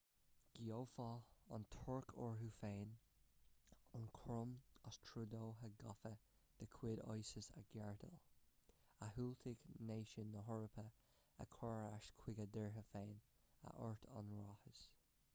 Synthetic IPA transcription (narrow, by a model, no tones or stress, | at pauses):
ɡ̥ioːfɔɔ̰ntʰʊɹkʰɔɹɦufeːn | ɑnkʰɹʊməstʰɹudoːɦəɡɔfəd̪̥əkʰw̥ɪdɔ̰jsəsa̰ɡ̥ɛɹdə̰l | aɦult̪ʰɪɡneːʃənːəɦɔɹəpʰə | a̰kʰɔɹaʃkʰw̥ɪɡədɛɹɦəfeːn | a̰ʔɔ̰ɹtʰɔ̰nɹɔhəs